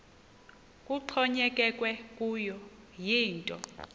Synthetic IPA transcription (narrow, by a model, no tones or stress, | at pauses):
kʼuǃʰɔɲɛkʼɛkʼwɛkʼujɔ | jiːntʼɔ